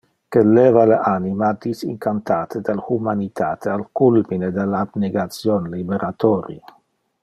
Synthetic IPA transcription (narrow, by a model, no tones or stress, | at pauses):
kelɛvalaʔanimad̪isḭŋkant̪aːt̪ʰed̪alhumanit̪aːt̪ʰealkulmined̪elabneɡat̪sjonlibeɾʔat̪ɔːɾḭ